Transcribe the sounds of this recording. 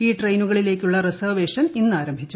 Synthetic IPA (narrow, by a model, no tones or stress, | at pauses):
iːʈrejnuɣɐɭile̞ːkʲːuɭːɐresɐrʋe̞ːʂɐninːɨaːɾɐmbʱit͡ɕːu